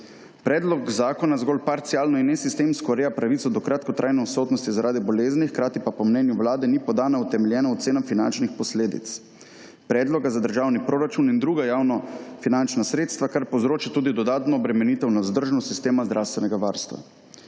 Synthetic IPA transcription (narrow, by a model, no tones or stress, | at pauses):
pɾɛːd̪lɔkzaːkɔnazɡɔːlpaɾt̪siaːlnɔinːɛsist̪emskɔɾeːjapɾaʋit̪sɔd̪ɔkɾat̪kɔt̪ɾajnɛɔsɔt̪nɔst̪izaɾaːd̪ibɔleːznixkɾaːt̪ipapɔmnɛːnjuwlaːd̪ɛnipɔd̪aːnaut̪ɛmɛljɛːnaɔt̪seːnamfinant͡ʃnixpɔsleːd̪ḭt̪s | pɾɛːd̪lɔɡazad̪əɾʒaːwnipɾoːɾat͡ʃunind̪ɾuːɡajaːwnɔfinant͡ʃnasɾeːt̪st̪ʋakaɾpowzɾoːt͡ʃat̪uːd̪id̪ɔd̪aːt̪nɔːbɾɛmɛniːt̪ɛwnawzd̪əɾʒnɔsist̪eːmazd̪ɾʔawst̪ʋɛnɛɡaʋaɾst̪ʋa̰